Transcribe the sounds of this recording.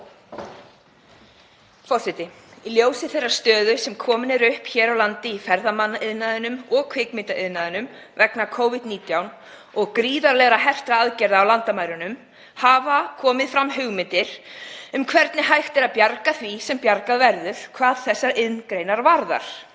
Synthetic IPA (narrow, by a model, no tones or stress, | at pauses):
fɔr̥sɪt̪ɪ | iljoːwsɪθejrːḁst̪œːðʏsɛmkʰɔːmɪnɛɾʏhpçɛːɾawlant̪ɪifɛɾðamanːɪðnaðɪnʏmɔɣkʰv̥ɪkmɪt̪aʔɪðnaðɪnʏm | vɛknakʰoːwvɪd̪niːt̪jawn | ɔɣkɾiːðaɾlɛɣɾaɦɛft̪ɾaaðcɛɾðaːwlant̪amajɾʏnʏm | haːvakʰɔːmɪðfɾamːɦʏɣmɪnt̪ɪɾ̥ʏmkʰvɛɾt̪nɪhajxt̪ɛɾaðpjaɾkaθvisɛmpjaɾkaðvɛɾðʏð̥kʰvaːðθɛsːaʔɪðnkɾejnaɾvaɾða̰ɾ̥